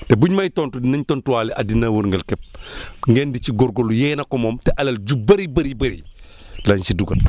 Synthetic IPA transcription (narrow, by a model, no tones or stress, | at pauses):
tɛbuɲmɐjtɔntudinɐɲtɔːntuwaːlɛʔɐdinawɐɾŋɡɐlkɛp̚ŋɡɛndiciɡɔɾɡolujɛːnɐkɔmɔːmtɛʔɐlɐld͡ʒubɐɾibɐɾibɐɾḭ | lɐnsiduɡɐl